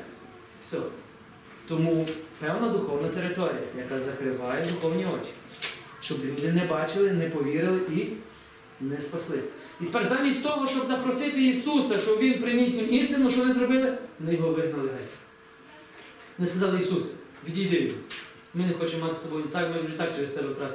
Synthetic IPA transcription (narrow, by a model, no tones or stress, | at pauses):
sʲɔɔ | t̪ɔmupɛwnɐd̪ʊxɔwnɐt̪eɾɪt̪ɔɾʲḭjɐ̰jɐkɑzɐkɾɪʋɑjɛd̪ʊxɔwnʲiɔt͡ʃʲi̥ | ʃt͡ʃɔblʲud̪ɪnɛbɑt͡ʃɪlˠɪnɛpɔʋʲiɾɪlˠɪʔi | nɛspɐslˠɪsʲɐ̥ | it̪e̥pɛrzɑmʲisʲtʲt̪ɔɦɔʃt͡ʃɔbzɐpɾɔsɪt̪ɪisusɐt͡ʃɔʋʲinpɾɪnʲisʲimist̪ɪnʊʃt͡ʃɔʋɔnɪzɾɔbɪlˠɪʋɔnɪjɔɦɔʋɪɦnɐlˠɪɦɛ | ʋɔnɪskɐzɑlˠɪjisusɐ̥ʋʲid̪ʲijd̪ɪ | mɪnɛxɔt͡ʃɛmːɑt̪ɪ̥sɔbɔjʊt̪ɑknɛʒɛt̪ɑk̚t͡ʃɛɾest̪ɛbɛk̪ɾɑt̪